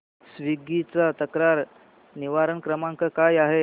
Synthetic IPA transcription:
sʋiɡit͡sat̪əkɾaɾ | niʋaɾənkɾəmãŋkəkajaɦe

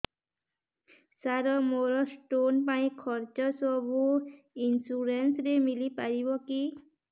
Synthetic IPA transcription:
saɾɔmoɾɔsʈonpaĩkʰɔɾt͡ʃɔsɔbu | insuɾensɾemilipaɾibɔki

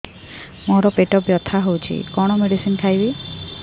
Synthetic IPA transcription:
mɔɾɔpeʈɔbjɔt̪ʰaɦowt͡ʃʰḭkɔɽ̃ɔmeɽisinkʰajbi

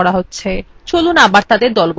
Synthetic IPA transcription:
ɔɽaɦotːɕʰet͡ɕolunabaɾt̪ad̪eɾd̪ɔlb

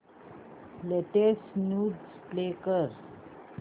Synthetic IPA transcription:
leʈesnuːdsplekəɾ

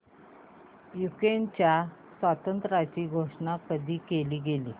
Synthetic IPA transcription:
jukɾent͡ɕja | sʋat̪ənt̪ɾat͡ɕiːɡʱoʂɳakəd̪ʱiːkeliːɡeliː

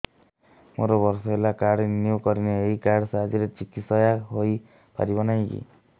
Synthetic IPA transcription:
moɾɔbɔɾsɔɦelakaɽnjukɔɾineeikaɽsaɦd͡ʒiɾet͡ʃikit̪sɔjaɦoj | pa̰ɾibɔnajkḭ

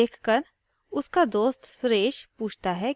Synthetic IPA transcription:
eːkʰkəɾ | ʊskad̪oːst̪sɾeːʃpuːt͡ʃʰt̪aɦɛ

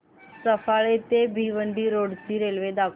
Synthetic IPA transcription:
səfaɭet̪ebʱiʋəɳɖiːɾoɽt̪iːɾelʋed̪akʰ

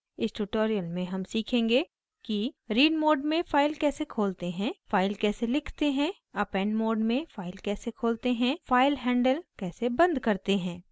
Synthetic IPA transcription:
ɪsʈuːʈoːɾijəlmẽɦɐmsiːkʰẽːŋɡe | kiɾiːɖmoːɖmẽfaːɪlkɛːsekʰoːlt̪eɦɛ̃ːfaːɪlkɛːselɪkʰt̪eɦɛ̃ | ɐpɛ̃ːnmoːɖmẽfaːɪlkɛːsekʰoːlt̪eɦɛ̃faːɪlɦɛ̃ːɳɖəlkɛːsebɐ̃nd̪kɐɾt̪eɦɛ̃ː

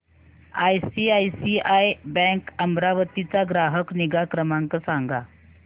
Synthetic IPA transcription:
ajsiajsiajbɛ̃kəmbɾaʋət̪it͡saɡɾaɦəkniɡakɾəmãŋkəsãŋɡa

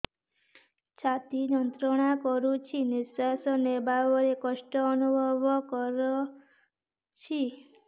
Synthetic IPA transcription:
t͡ʃʰat̪inɔnt̪ɾɔɽ̃akɔɾut͡ʃʰinɪsasɔnebaʋoɾekɔʃʈɔːnubʱɔʋɔkɔɾɔ | t͡ʃʰi

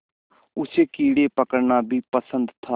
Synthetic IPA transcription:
ʊseːkiːɽeːpəkəɾnaːbʱiːpəsə̃nd̪t̪ʰaː

